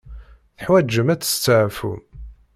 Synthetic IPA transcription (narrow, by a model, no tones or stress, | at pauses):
θəħwæd͡ʒːəmæt͡sːə̥st͡sːəʕfṵm